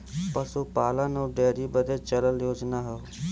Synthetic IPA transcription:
pəsuːpaːlãːnõːɖeːɾiːbəd̪eːt͡ʃələljoːd͡ʒnaːɦɛ

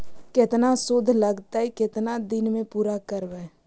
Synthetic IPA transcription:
kɪt̪nasʊd̪ʱləɡt̪aɦikɪt̪nad̪ɪnmẽpuːɾakəɾʋɛː

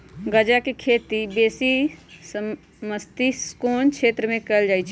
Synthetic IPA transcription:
ɡəd͡ʒakekʰeːt̪ibeːsis | məst̪iskoːnkʃʰeːt̪ɾəmẽkəld͡ʒaːjt͡ʃʰɛ

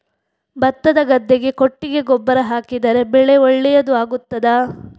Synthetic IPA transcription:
bɐt̪ːɐd̪ɐɡɐd̪ːeɡe̞koʈːiɡe̞ɡɔbːɐɾɐɦaːkid̪ɐɾe̞bɛɭeoɭːɛjɐd̪uaːɡut̪ːɐd̪a

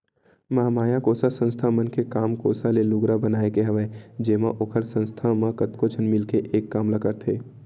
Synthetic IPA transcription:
mɐɦamaːjãkoːsasə̃nst̪ʰamənkekaːmko̰ːsalelʊɡɾabənaːekeɦɐʋɛd͡ʒeːmã̰ʔoːkʰəɾsə̃nst̪ʰamãkət̪kot͡ʃʰənmɪlkeʔeːkːaːmlakəɾt̪ʰeː

